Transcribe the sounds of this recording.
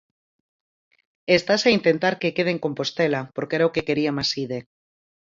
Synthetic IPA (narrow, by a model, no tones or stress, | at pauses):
est̪asaint̪ent̪aɾkekeð̞eŋko̞mpost̪elapoɾkeɾaokeke̞ɾiamasiðe